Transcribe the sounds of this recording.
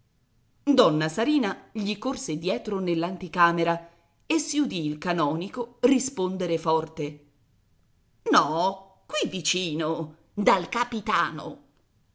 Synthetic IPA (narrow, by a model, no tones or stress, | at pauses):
d̪ɔnːasaɾiːnaʎikorsed̪jɛːt̪ɾonelːant̪ikaːmeɾa | esːiud̪iːlkanɔːnikorispond̪eɾefɔrt̪e | nɔ | kwivit͡ʃiːno | d̪alkapit̪aːno̰